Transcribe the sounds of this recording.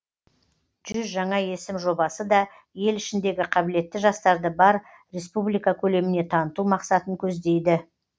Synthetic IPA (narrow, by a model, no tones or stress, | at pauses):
ʒ̥ʏzʒɑɴɑje̞sɪmʒo̞bɑsəd̪ɑ | je̞lɪʃɪnd̪e̞ɡʲɪqʰɑbɪle̞t̪ːɪʒɑst̪ɑɾd̪əbɑɾ | ɾe̞spublijkɑkʲʰɵle̞mɪne̞t̪ʰɑnət̪umɑqsɑt̪əŋkʲʰɵzd̪e̞jd̪ɪ